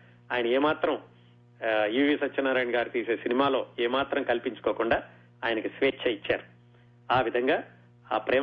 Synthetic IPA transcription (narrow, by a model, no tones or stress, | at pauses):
aːjɐnɐeːmaːt̪ɾɐm | jiːʋiːsɐt͡ʃt͡ʃːɐnːaːɾaːjɳɡaːɾit̪iːseːsinimaːlo̞ːeːmaːt̪ɾɐmkɐlpiɲt͡ʃu̥koːkuɳɖaː | aːjɐnɐkisʋeːt͡ʃːɐit͡ʃːa̰ːɾu̥ | aːʋid̪ʱɐŋɡaː | aːpɾɛː